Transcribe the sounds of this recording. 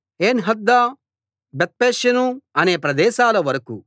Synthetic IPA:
eːnɦɐd̪ːaː | bet̪̚peːʃjɐnuɐne̞ːpɾɐd̪ɛːʃaːlɐʋɐɾɐkṵ

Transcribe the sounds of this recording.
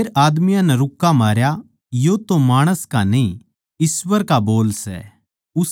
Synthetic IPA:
ɾaːd̪mɪjãnɛɾʊkːamaːɾja | jot̪omaːɽ̃əskanĩ | ɪsʋəɾkaboːlsɛ̰ | ʊs

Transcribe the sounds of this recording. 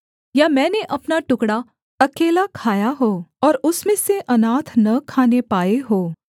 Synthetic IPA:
jamɛ̃ːneʔɐpnaʈʊkɽa | ɐkeːlakʰaːjaɦoːɔːɾʊsmẽseʔɐnaːt̪ʰnɐkʰaːnepaːeɦoː

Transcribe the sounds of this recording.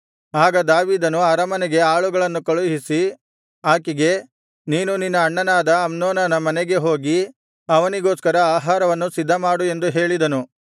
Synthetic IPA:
aːɡɐd̪aːʋiːd̪ɐnuɐɾɐmɐnɛɡe̞aːɭuɡɐɭɐnːukɐɭuɦisi | aːkiɡe̞ | niːnuninːɐːɳːɐnaːd̪ɐːmnoːnɐnɐmɐnɛɡe̞ɦo̞ːɡi | ɐʋɐniɡoːskɐɾɐaːɦaːɾɐʋɐnːusid̪ʱːɐmaːɽue̞nd̪uɦe̞ːɭid̪ɐnu

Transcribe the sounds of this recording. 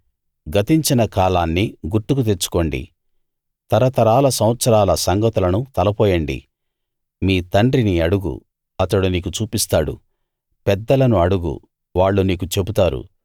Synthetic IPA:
ɡɐt̪iɲt͡ʃinɐkaːlaːnːiɡuɾʈːukut̪eɾt͡ʃu̥ko̞ːɳɖḭ | t̪ɐɾɐt̪ɐɾaːlɐsɐ̃w̃ɐt̪sɐɾaːlɐsɐŋɡɐt̪ulɐnut̪ɐlɐpɔːjɐɳɖḭ | miːt̪ɐɳɖɾiniɐɽuɡṵ | ɐt̪ɐɽuniːkut͡ʃuːpist̪aːɽṵ | pɛd̪ːɐlɐnuɐɽuɡṵ | ʋaːɭːuniːkut͡ʃe̞but̪aːɾṵ

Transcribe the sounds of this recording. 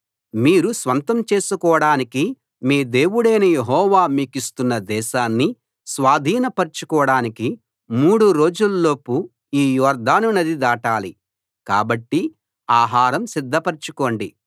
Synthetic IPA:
miːɾusʋɐnt̪ɐmt͡ʃe̞ːsukɔːɽaːniki | miːd̪e̞ːwuɽɐjnɐjeɦɔːʋaːmiːkist̪unːɐd̪ɛːʃaːnːi | sʋaːd̪ʱiːnɐpɐɾt͡ʃukɔːɽaːniki | muːɽuɾo̞ːd͡ʒullo̞ːpu | iːjɔːɾd̪ʱaːnunɐd̪id̪aːʈaːli | kaːbɐʈːi | aːɦaːɾɐmsid̪ʱːɐpɐɾt͡ʃuko̞ːɳɖi

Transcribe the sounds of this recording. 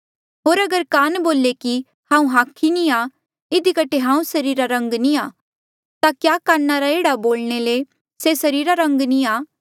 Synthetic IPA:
ɦoːɾɐɡəɾkaːnboːleki | hãːũɦaːkʰːinia | ɪd̪ʱikɐʈʰeɦãːũsɐɾiːɾaɾɐ̃ŋɡniaː | t̪akjaːkaːnːaɾaeːɽaboːlɽ̃ele | sesɐɾiːɾaɾɐ̃ŋɡniaː

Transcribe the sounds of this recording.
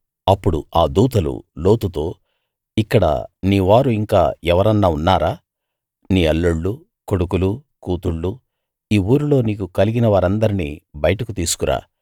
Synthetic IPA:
ɐpːuɽṵaːd̪uːt̪ɐlṵlo̞ːt̪ut̪o̞ː | ikːɐɽɐ̰niːʋaːɾuiŋka̰ːɛʋɐɾɐnːaːunːaːɾaː | niːɐɭːuɭːu | koɽukulukuːt̪uɭːu | iːuːɾulo̞ːniːkukɐliɡinɐʋaːɾɐnd̪ɐɾinḭːbɐjɐʈɐkut̪iːsu̥kuɾʔa̰ː

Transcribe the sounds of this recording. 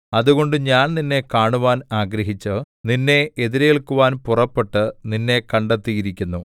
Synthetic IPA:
ɐðuɣo̞ɳɖɨɲaːnninːe̞kaːɳuʋaːnaːɡɾɐɦit͡ɕːɨ | ninːe̞eðiɾejiɭkuʋaːnpurɐpːe̞ʈːɨninːe̞kɐɳɖet̪ːijiɾikʲːunːu

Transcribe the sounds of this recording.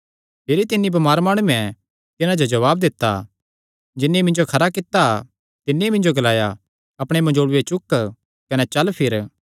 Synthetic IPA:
peːɾit̪ɪnːibɐmaːɾmaːɽ̃uːɛ̃ | t̪ɪnãd͡ʒod͡ʒɐʋaːb̚d̪ɪt̪ːa̰ | d͡ʒɪnːimɪ̃nd͡ʒokʰɐɾakɪt̪ːa | t̪ɪnːiimɪ̃nd͡ʒoɡɐlaːja | ɐpɽ̃emɐ̃d͡ʒoːɽʊjet͡ʃʊkː | kɐnɛt͡ʃɐlpʰɪɾ

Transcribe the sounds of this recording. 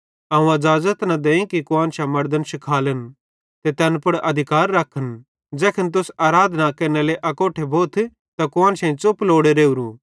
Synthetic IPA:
ɐːũɐd͡ʒaːzət̪nɐd̪eːĩkikʊãːnʃamɐɾd̪ənʃɪkʰaːlən | t̪et̪ɛːnpɐɽɐd̪ʱɪkaːɾːɐkʰːən | d͡zɛːkʰənt̪̬ʊsaːɾaːd̪ʱnakɐneleʔɐkoːʈʰebʱoːt̪ʰ | t̪ɐkʊãːnʃɐ̃ĩt͡sʊploːɽeɾeːuɾũː

